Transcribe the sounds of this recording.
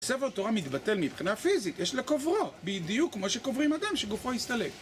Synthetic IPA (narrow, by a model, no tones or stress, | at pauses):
seveʁt̪oʁamit̪bat̪e̞lmibχinafizit̪jeʃlekovʁobid̪ijukːmo̞ʃekovʁimad̪amʃeɡufohist̪ale̞k